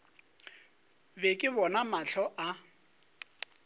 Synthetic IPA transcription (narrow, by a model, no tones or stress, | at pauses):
bɛkʼɪbɔnamaɬʰɔʔa